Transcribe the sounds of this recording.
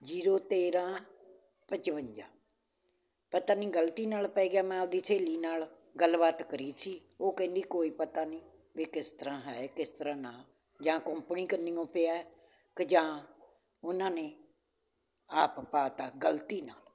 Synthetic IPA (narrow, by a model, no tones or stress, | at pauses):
d͡ʒiːɾoːt̪eːɾãː | pət͡ʃʋəɲd͡ʒãː | pət̪aːnĩːɡəlt̪iːnaːlpɛːɡaːmɛ̃ːʊd̪iːsʰeːliːnaːl | ɡəlbaːt̪kəɾiːsiːoːkə̃ːnd̪iːkoːiːpət̪aːnĩː | ʋeːkɪst̪əɾãːɦɛːkɪst̪əɾãːnãː | d͡ʒãːkə̃mpɳĩːkəniːõːpɪaːɛ | kəd͡ʒãː | ʊnãːneː | aːppaːt̪aːɡəlt̪iːnaːl